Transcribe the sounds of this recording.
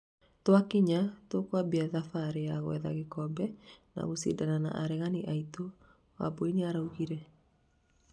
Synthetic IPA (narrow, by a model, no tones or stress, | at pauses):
twakiɲatokwabiaðafaɾejaɣwɛ̰ða̰ɣekɔbɛna̰ɣosḭdanana̰ʔaɾɛɣaniʔaito | wa̰boineaɾauɣiɾɛ